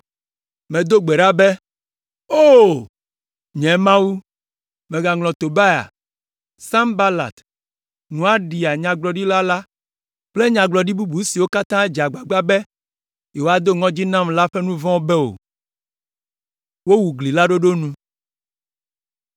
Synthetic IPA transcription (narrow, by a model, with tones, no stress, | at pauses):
mẽ˨d̪o˦ɡ͡be˨ɖa˦be˦ | o˦ | ɲɛ̃˨˦mã˦wu˦ | mẽ˨ɡa˨ŋlɔ̃˨t̪o˨ba˦ja̰˨ | sã˦mba˦la̰˨t̪ | nũ˨a˦ɖi˨a˨ɲã˨ɡ͡blɔ˨ɖi˦la˦la˦ | k͡ple˦ɲã˨ɡ͡blɔ˨ɖi˦bu˦bu˨si˨wo˦ka˦t̪ã˦d͡ʒa˨ɡ͡ba˨ɡ͡ba˦bɛ˦ | je˨wo˦a˦d̪o˦ŋɔ̃˦d͡ʑi˦nã˦mla˦ɸe˦nũ˦vɔ̃˦bɛ˦o̰˨ | wo˦wu˨ɡli˨la˦ɖo˦ɖo˦nũ˦